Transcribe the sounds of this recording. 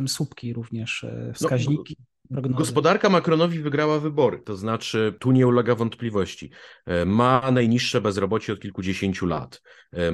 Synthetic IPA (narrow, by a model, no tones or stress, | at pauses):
msupkʲiɾuvɲɛʂfsnɔkaʑɲikʲi | pɾɔɡnɡɔspɔd̪aɾkamakɾɔnɔvʲivɘɡɾawavɘbɔɾɘt̪ɔznat͡ʂɘt̪uɲɛulɛɡavɔnt̪plʲivɔɕt͡ɕḭmanajɲiʂːɛbɛzɾɔbɔt͡ɕɛɔt̪̚kʲilkud͡ʑeɕeɲt͡ɕula̰t̪